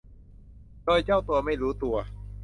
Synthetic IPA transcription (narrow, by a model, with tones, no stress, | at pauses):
doː˧˩jt͡ɕa˥˩wt̪u˧ɐma˥˩jɾuː˦˥t̪u˧ɐ